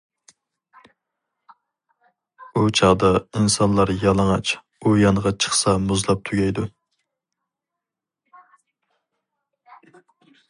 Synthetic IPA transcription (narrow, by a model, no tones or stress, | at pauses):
ut͡ʃʰɑʁd̪ɑinsɑnlˠɑɾjɑlˠɑŋɑt͡ʃ | ujɑŋəʁɑt͡ʃʰə̥χsɑmuzlˠɑp̚t̪ʰuɡʲɛjd̪u